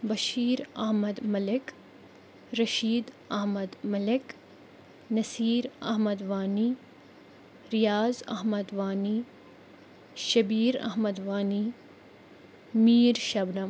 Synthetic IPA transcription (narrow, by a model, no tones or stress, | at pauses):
bɐʃiːɾɐɦmɐd̪mɐlɪk | ɾɐʃiːd̪ | ɐɦmɐd̪mɐlɪk | nɐsiːɾɐ̰ɦmɐd̪ʋaːni | ɾijaːzɐ̰ɦmɐd̪ʋaːni | ʃɐbiːɾɐ̰ɦmɐd̪ʋaːni | miːɾʃɐbnɐm